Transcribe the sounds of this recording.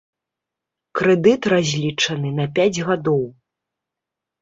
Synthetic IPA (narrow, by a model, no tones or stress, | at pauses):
kɾɛd̪ɨt̪razʲlʲit͡ʂɐn̪ɨnɐpʲad͡zʲɣad̪ɔw